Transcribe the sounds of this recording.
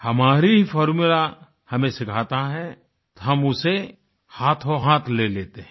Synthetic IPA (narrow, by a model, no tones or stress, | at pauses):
hɐmaːɾiɦifʰɔːɾmula | hɐmẽsɪkʰaːt̪aɦɛ | t̪oɦɐmʊse | haːt̪ʰoɦaːt̪ʰleleːt̪eɦɛ̃